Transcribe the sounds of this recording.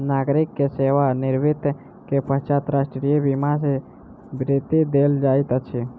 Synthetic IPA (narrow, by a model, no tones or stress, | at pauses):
naːɡɾɪkːeseʋanɪɾʋɪt̪ | kepəɦt͡ʃat̪ɾaːsʈɾijebimase | bɾit̪id̪eːld͡ʒaːɪt̪ət͡ʃʰe